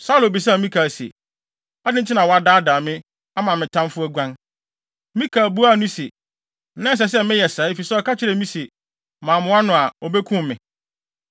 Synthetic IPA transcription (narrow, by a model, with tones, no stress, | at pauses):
saː˦lʊ̃˨bi˨s̬a˦˨˦mĩ˦kʰaː˨sḛ˨ | a˦dɪ˦n̩˦t͡ɕʰɪ˦nã˨wɔ˨˦a˨daː˦daː˨mɪ̃˦ | a˦mã˨mɪ̃˨tʰã˦mfʊ˦æ˦ɡʷã˦n | mĩ˦kʰaː˨bu˦a˦˨nũ˦se˨˦ | nã˦s̬ɛ˨s̬ɛ˦mɪ̃˦jɛ˨saː˨˦fi˨sɛ˦ɔ˨kʰa˦t͡ɕʰɪ˦ɾɛ˨mĩ˦se˨ | mãː˨mʊ̃˦a˦nʊ̃˨a˨ɔ˨be˦kʰũ˦m˨mɪ̃˨